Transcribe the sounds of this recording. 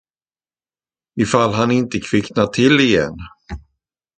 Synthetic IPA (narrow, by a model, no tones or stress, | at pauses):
ɪfalːɦanɪnt̪əkʰvɪknat̪ʰɪlːɪjɛ̰nː